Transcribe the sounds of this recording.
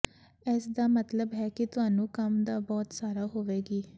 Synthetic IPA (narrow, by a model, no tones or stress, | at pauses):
ɛːsd̪aːmət̪ləbɦɛːkɪt̪ʊaːnũːkəmd̪aːbɔːt̪saːɾaːɦoːʋeːɡiː